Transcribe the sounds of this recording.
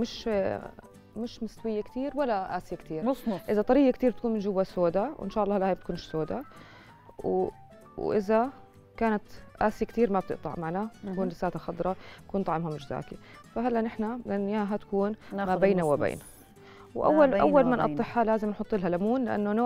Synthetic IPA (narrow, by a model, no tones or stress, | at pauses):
mɪʃ | mɪʃmɪst̪wɪjːakt̪iːɾwalːaʔaːsɪjakt̪iːɾʔɪzat̪ˤɑɾiːɡakt̪iːɾbt̪̚kuːnmɪnd͡ʒʊwːasoːd̪awʔɪ̰nʃaːʔɑlˤːɑːhalːʔaːjb̚t̪̚kuːnɪʃsoːd̪a | w | wʔɪza | kaːnat̪ʔaːsɪjakt̪iːɾmab̚t̪ɪʔt̪ˤɑ̰ʕmaʕnaakuːnlɪsaːt̪axɑd̪ˤɾˤɑt̪ḁkuːnt̪ˤɑʕɪmhamɪd͡ʒza̰ːki | faɦalːanɪħnalʔanːjaːɦat̪ḁkuːnmabeːnawɪbḛːna | wʔa̰wːalʔawːalmanʔɑt̪ˤːɨħhalaːzɪmnħʊt̪ˤːɪlhalamuːnlɪʔa̰nːonoː